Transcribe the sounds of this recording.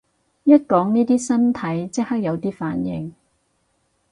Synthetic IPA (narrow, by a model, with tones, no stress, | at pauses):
jɐ˥t̚kɔː˨˥ŋniː˥t̪iː˥sɐ˥nt̪ʰɐ˨˥jt͡sɪ˥k̚hɐ˥k̚jɐ˨˧wt̪iː˥fa̰ː˨˥njɪ̰˨ŋ